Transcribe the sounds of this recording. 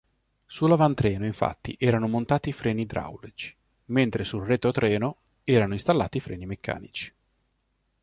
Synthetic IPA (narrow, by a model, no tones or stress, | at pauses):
sulavant̪ɾɛːnoiɱfa̰t̪ːḭʔɛːɾanomont̪aːt̪ifɾɛːnid̪ɾa̰wlet͡ʃi̥ | ment̪ɾesulret̪ot̪ɾɛːno | ɛːɾanoinst̪alːa̰ːt̪ifɾɛ̰ːnimekʰːa̰ːnḭt͡ʃi̥